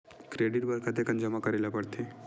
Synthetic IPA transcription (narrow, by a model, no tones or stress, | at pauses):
kɾeɽiɾbəɾkʰat̪̬ekənd͡ʒəmakəɾelapəɽt̪ʰe